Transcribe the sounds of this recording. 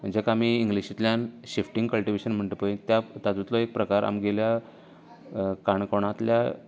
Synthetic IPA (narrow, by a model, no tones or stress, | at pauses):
d͡ʑekamiːŋɡliɕit̪ljanɕifʈiŋɡkəlʈiʋeɕənm̤əɳʈ̪əpəĩt̪jat̪ad͡z̪ut̪lɔek̚pɾəkaɾa̰mɡelja | kaɳkoɽ̃at̪lja